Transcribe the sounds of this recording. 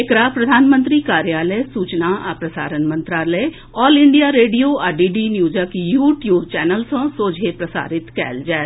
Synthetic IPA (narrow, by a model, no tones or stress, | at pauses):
ekɾapɾɐd̪ʱaːnmə̃nt̪ɾikaːɾjaːləjsuːt͡ʃnaʔapɾɐsa̰ːɾənmə̃nt̪ɾaːlə | ɔːlɪ̃ɳɖijaɾeːɖijoaːɖiːɖinjuːd͡ʒakijuːʈjuːbt͡ʃɛːnəlsõsoːd͡ʒʱepɾɐsa̰ːɾɪt̪kɛ̰ːld͡ʒɛː